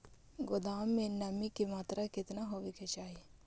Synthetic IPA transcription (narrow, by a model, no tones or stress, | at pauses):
ɡʊd̪aːmːẽnɐmikemaːt̪ɾakɪt̪naɦoːʋeket͡ʃaːɦie